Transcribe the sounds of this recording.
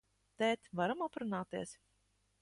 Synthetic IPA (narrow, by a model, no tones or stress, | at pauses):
t̪ɛt̪ʲvaɾamapɾunaːt̪iɛs